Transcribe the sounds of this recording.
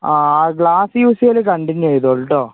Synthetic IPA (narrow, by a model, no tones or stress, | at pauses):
aːaːɡɭaːsjuːsijɐlɨkɐɳɖiɲːejðoɭːʈːoː